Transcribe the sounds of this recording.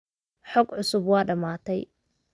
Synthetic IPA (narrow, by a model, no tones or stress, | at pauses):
ħɔɡʕʊsʊbwɑːɖɐmaːt̪ʰɛj